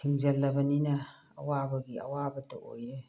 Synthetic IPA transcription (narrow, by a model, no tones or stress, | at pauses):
kʰiŋd͡ʒɐlːɐbɐninɐ̰ː | wabɐɡiɐ̰wabɐtɐʔo̰je